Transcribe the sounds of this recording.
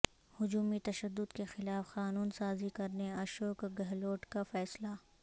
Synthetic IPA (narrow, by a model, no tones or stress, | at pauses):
hʊd͡ʒuːmit̪ɐʃəd̪ːʊd̪kexɪlaːfxaːnuːnsaːzikɐɾneɐʃoːkɡɐɦloːʈkafɛːsla